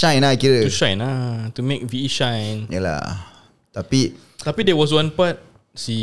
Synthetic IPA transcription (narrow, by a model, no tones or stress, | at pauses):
ʃãjnakiɾətuʃãj̃natumek̚viiʃãjnja̰la̰ | t̪api | t̪apidɛwɔs̬wãnpat̚ | si